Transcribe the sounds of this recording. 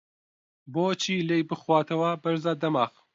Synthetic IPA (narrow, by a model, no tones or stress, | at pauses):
boːt͡ʃʰiːlejbɨxwaːt̪ʰɐwabɐɾzaːd̪ɐmaːx